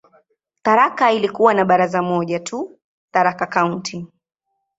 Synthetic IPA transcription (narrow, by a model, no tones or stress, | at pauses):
t̪aɾakailikuwanaɓaɾazamɔʄatʰu | t̪aɾakakauntʰi